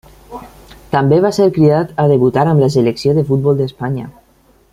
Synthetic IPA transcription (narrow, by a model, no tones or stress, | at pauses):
t̪ambeβ̞aseɾkɾiat̪aðeβut̪aɾamlas̬eleksioðefut̪̚bɔlˠd̪espaɲa̰